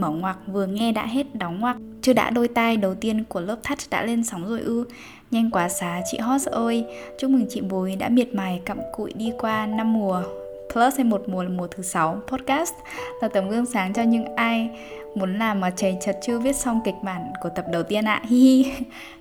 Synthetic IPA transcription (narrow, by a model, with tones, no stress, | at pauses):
mə˨˩wŋwaː˨˩k̚vɨ˨˩əŋɛ˧ɗa̰ː˧˥ɦe˦˥t̚ɗa˨˦wŋ͡mŋwaː˨˩k̚t͡ɕɨ˧əɗa̰ː˧˥ɗo˧jt̪aː˧jɗə˨˩wt̪i˧ənku˧˩ələː˦˥p̚t̪ʰa˦˥t̚ɗa̰ː˧˥le˧nsa˨˦wŋ͡mzo̰˧˩jʔɨ˧ | ɲa˧jŋkwaː˨˦saː˨˦t͡ɕḭ˧˨ɦɔ˦˥t̚sʔəː˧j | t͡ɕʊ˦˧˥ŋ͡mmɨ˨˩ŋt͡ɕḭ˧˨ɓu˨˦jɗa̰ː˧˥mi˨˩ət̚maː˨˩jkə̰˧˨mkṵ˧˨jɗi˧kwaː˧na˧mːu˨˩ə | pʰləː˦˥sha˧jmo˨˩t̚mu˨˩əla˨˩mu˨˩ət̪ʰɨ˨˦sa˨˦wpʰɔ˦˥t̚kaː˦˥st̚ | laː˨˩t̪ə˨˩mɣɨ˧əŋsaː˨˦ŋt͡ɕɔ˧ɲɨ̰˧˥ŋʔaː˧j | mu˨˦ənlaː˨˩mːaː˨˩t͡ɕə˨˩jt͡ɕə˨˩t̚t͡ɕɨ˧əvi˦˥ət̚sɔ˧wŋ͡mki˨˩k̟̚ma̰ː˧˩nku˧˩ət̪ə˨˩p̚ɗə˨˩wt̪i˧ənʔa̰ː˧˨hi˧